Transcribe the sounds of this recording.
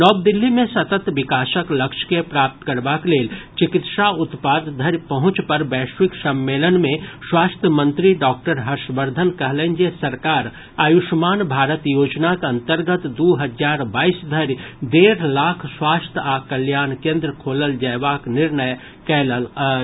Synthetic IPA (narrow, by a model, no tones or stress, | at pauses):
nɔːb̚d̪ɪlːimẽsɐt̪ət̪ʋɪkaːʃəklɐkʃkepɾaːp̚t̪kɐɾbakleːlt͡ʃɪkɪt̪ʃaʊt̪paːd̪d̪ʱəɾjpɐɦʊ̃t͡ʃpɐɾbɛːʃwɪksɐ̃mːeːlənmẽswaːst̪ʰjəmə̃nt̪ɾiɖɔːk̚ʈəɾɦɐɾʃʋəɾd̪ʱənkɐɦlə̃nd͡ʒesɐɾkaːɾ | aːjʊʃmaːnbʱaːɾət̪joːd͡ʒnakɐ̃nt̪əɾɡət̪d̪uːɦɐd͡ʒaːɾbaːiːsd̪ʱəɾd̪eːɾlaːkʰswaːst̪ʰaːkəljaːnkẽːnd̪ɾəkʰoːləld͡ʒɐːʋaːknɪɾnəj | kɛːləl